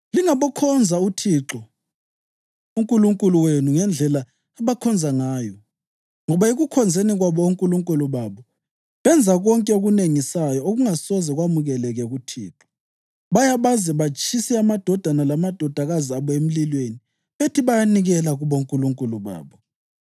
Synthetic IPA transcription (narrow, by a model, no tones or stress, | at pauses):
liŋaβɔkʰɔnd͡zʱautʰiǁɔ | uŋkʼuluŋkʼuluwenuŋɛnd͡ɮʱɛlaː | βakʰɔnd͡zʱaŋaːjɔ | ŋɔβaeɣukʰɔnd͡zʱeniɣwaβɔoŋkʼuluŋkʼuluβaːβɔ | βɛnd͡zʱaɣɔŋkʼɛoɣuneŋisajɔoɣuŋasɔzɛɣwamuɣɛlɛɣɛɣutʰḭːǁɔ̥ | βajaβazɛβat͡ʃʼisiamad̥ʱɔd̥ʱanalamad̥ʱɔd̥ʱaɣaziaβɔem̩lilweni | βetʰiβajaniɣɛlaɣuβoŋkʼuluŋkʼuluβa̰ːβɔ